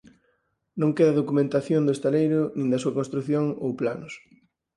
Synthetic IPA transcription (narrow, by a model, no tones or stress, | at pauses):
nõŋkeðɐðokumẽnt̪aθjond̪ʊest̪alejɾʊnĩnd̪ɐsuɐkõnst̪ɾuθjoŋo̰wplanʊs